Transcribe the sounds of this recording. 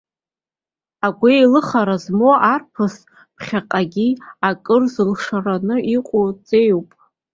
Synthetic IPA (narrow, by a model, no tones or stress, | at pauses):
aɡʷejlɨχaɾazmoʔarpʰɨs | pʰχʲaqʼaɡʲiakʼɨrzɨlʂaranɨiqʷʼot͡sʼejwpʼ